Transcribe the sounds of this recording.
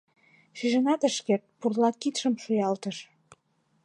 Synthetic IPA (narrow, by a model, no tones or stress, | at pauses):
ʃyʒə̆nɑt̪əʃkert̪̚purlɑkit̪ʃə̆mʃujɑlt̪əʃ